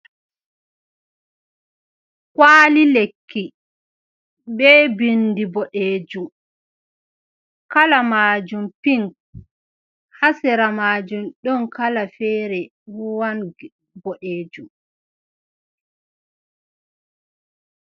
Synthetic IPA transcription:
kwaːlilekʰːi | bɛbindibɔɗeːd͡ʒum | kalamaːd͡ʒumpiŋk | hasɛɾamaːd͡ʒumɗɔnkalafɛːɾɛ | wuwan | bɔɗeːd͡ʒum

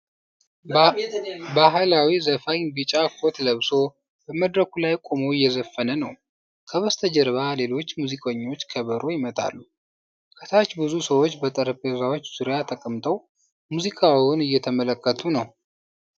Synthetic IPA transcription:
baɦɨlawizəfaɲbɨt͡ʃʼakʰot̪ləβso̞ | b̥əməd̪ɾəkulajkʼomoɪjːɛzəfːənənəw | kʰəβəst̪ʰəd͡ʒɛɾβale̞lo̞t͡ʃːmuzikʼəɲːo̞t͡ʃːkʰəβəɾo̞jɪmət̪ʰa̰lːu | kʰət̪ʰat͡ʃːbɨzusəwo̞t͡ʃːbət̪ʼəɾpʼezawot͡ʃːz̥uɾjat̪ʰəkʼəmt̪ʰʼəw | muzikʼawiwʊnɨjːɛt̪ʰəmələkːət̪ʰunəw

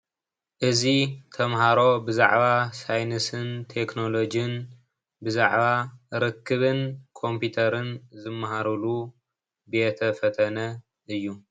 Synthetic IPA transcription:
ʔɨzit̪ʰɐmhaɾo̞bɨza̰ʕβasajnɨsɨnt̪ʰe̞kno̞lo̞d͡ʒɨn | bɨza̰ʕβaɾɨkːɨβɨnkʰo̞mput̪ʰɐɾɨnzɨmːɐɦaɾɨlu | bjet̪ʰɐfɐt̪ʰɐnɐ | ɨjːu

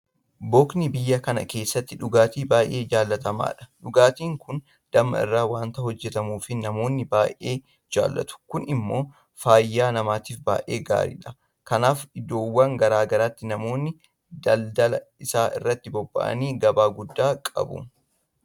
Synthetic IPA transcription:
bɔːknibɪjːɐkɐnɐ̰ke̞ːsːɐt̪ːɪᶑʊɡaːt̪iːbaːjʔe̞ːd͡ʒaːlːɐt̪ɐma̰ːᶑɐ̥ᶑʊɡaːt̪iːŋkʊn | d̪̥ɐmːɐ̰ɪ̰rːaːwaːnt̪ɐhɔd͡ʒːɛt̪ɐmuːfɪnɐmo̞ːnːɪbaːʔʔe̞ː | d͡ʒa̰ːlːɐ̰t̪ʊ̥kʊnɪmːo̞ː | faːjːaːnɐmaːt̪iːfba̰ːjʔeːɡa̰ːɾḭːᶑɐ | kɐnaːfɪd̪o̞ːwːɐŋɡɐɾaːɡɐɾaːt̪ːɪnɐmo̞ːnːɪ | d̪ɐld̪ɐlɐɪsaːʔɪ̰rːɐt̪ːɪbɔbːɐ̰ʔɐ̰niːɡɐbaːɡʊd̪ːaːkʼɐ̰bʊ̰

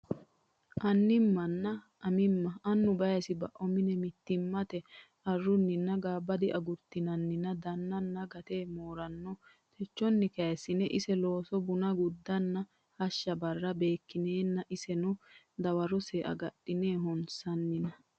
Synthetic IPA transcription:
ʔɐnːɪmːɐnːɐ | ʔːmɪmːɐɐnːʊbɐjɐsɪbɐʔɔmɪnɛmɪt̪ːɪmːɐt̪ɛ | ɐrːʊnːɪnːɐɡaːbːɐd̪ɪʔɐɡʊɾt̪ːɪnɐnːɪnːɐd̪ɐnːɐnːɐɡɐt̪eːmoːɾɐnːɔ | t̪ʰɛt͡ʃːɔnːɪkɐjsɪnɛʔɪsɛlo̞ːsɔbʊnɐɡʊd̪ːɐnːɐ | hɐʃːɐbɐrːɐbe̞ːkːɪneːnːɐʔɪsɛnʊ | d̪ɐwɐɾɔsɛʔɐ̰ɡɐɗɪneːɦɔnsɐnːɪnɐ

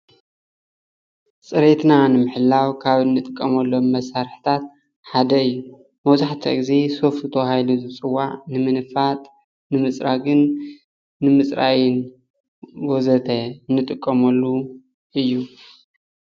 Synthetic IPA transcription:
sʼɨɾe̞t̪nanɨmɨħɨlːawkʰaβɨnːɨt̪ʼɨkʼːɐmɐlːomːɐsaɾħt̪ʰat̪̚ | ħad̪ɐɨjːu | mɐwzaħt̪ʰɐ̰ɡize̞so̞fɨt̪ʰohajluzɨt͡sʼɨwːaʕnɨmɨnɨfat̪ʼ | nɨmɨsʼɾaɡɨnː | ɨmɨsʼɾa̰jɪn | ɡozɐt̪ʰɐnːɨt̪ʼɨkʼːɐmɐlːu | ʔɨjːu

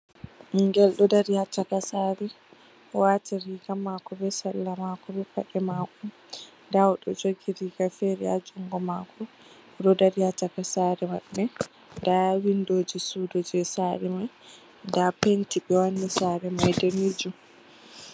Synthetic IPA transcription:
ʔiŋɡɛlɗɔdaɾihatakasaːɾɛ | ɔwataɾiɡamakɔbɛsalːamakɔbɛpaɗɛmakɔ | ndawɗɔd͡ʒoɡiɾiɡafɛɾɛ̰a̰d͡ʒuŋɡɔmakʰɔ | ɗɔdaɾihatakasaɾɛma̰ɗːɛ | dawindoːd͡ʒisudod͡ʒɛsaɾɛmaj | ndapentiɓɛwanːisaːɾɛmajdɛnid͡ʒu

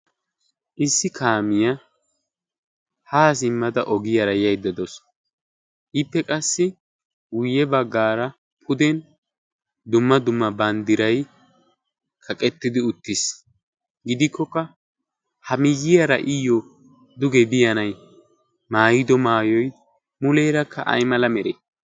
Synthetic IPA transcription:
ʔɪsːɪkʰaːmɪjɐ | haːs̬ɪmːɐd̪ɐʔɔɡɪjɐɾɐjɐjd̪ɐd̪ɔs | ʔɪpːɛkʼɐsːɪ | wʊjːɛbɐɡːaːɾɐ | pʰʊd̪ɛn | d̪ʊmːɐd̪ʊmːɐbɐnd̪ɪɾɐj | kʰɐkʼɛt̪ːɪd̪ɪʊt̪ːɪs | ɡɪd̪ɪkʰːɔkːɐ | hɐmɪjːɪjɐɾɐ̰ʔɪjɔ | d̪ʊɡɛbɪjɐnɐj | maːjɪd̪ɔmaːjɔj | mʊlejɾɐkʰːɐʔɐ̰jmɐlɐmɛɾe

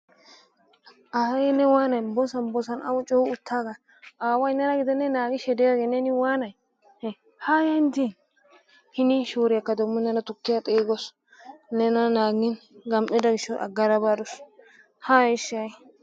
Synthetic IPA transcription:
ʔɐhɐjɛnɛwaːnɐjbɔsɐnbɔsɐnɐ̰wʊt͡ʃʼɔhʊʊt̪ʰːaːɡɐ | ʔaːwɐɪnːɐnɐɡɪd̪ɛnːɛnaːɡɪʃɛd̪ɛjaɡenɛnɪwaːnɐj | haːjɐnd̪in | hɪniʃoːɾɪjɐkːɐd̪ɔmːɔnːɐnɐt̪ʊkːɪjat̪ʼeːɡɔs | nɛnɐnaːɡɪnɡɐmʔɛd̪ɐɡɪʃːɔʔɐ̰ɡːɐɾɐbad̪ɔs | haːɪʃɐj

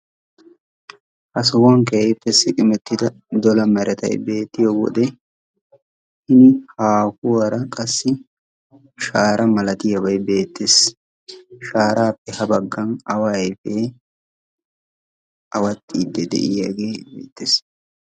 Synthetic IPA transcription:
ʔɐsʊwɐŋkɛjpːɛsɪkʼɪmɛt̪ːɪd̪ɐ | d̪ɔlɐmɛɾʔɛt̪ɐ̰jbe̞ːt̪ːɪjowɔ̰d̪ɛ | hɪnɪhaːkʊwɐɾɐkʼɐsːɪ | ʃaːɾʔɐmɐlɐt̪ɪjɐbɐjbe̞ːt̪ːes | ʃaːɾaːpːɛhɐbɐɡːɐnɐwajfeː | ɐwɐt̪ʼːiːd̪ːɛd̪ɛ̰ʔɪjaɡeːbḛːt̪ːeːs

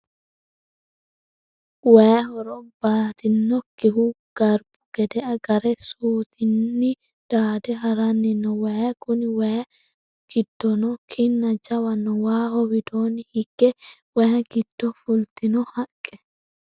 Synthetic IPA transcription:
wɛjɔɾɔbaːt̪ɪnːɔkɪɦʊ | ɡ̥ɐɾb̥ʊ̥ɡ̥ɛd̪ɛɐɡɐɾɛsuːt̪ɪnːɪ | d̪̥aːd̪ɛɦɐɾɐnːɪnːɔwɐjkʊnɪwɐj | ɡ̥ɪd̪ːɔnɔkʰɪnːɐd͡ʒɐwɐnːɔwaːhɔwɪd̪oːnɪhɪɡ̥ːɛwɐjɐɡɪd̪̥ːɔfʊlt̪ɪnɔhɐkʼːɛ̥

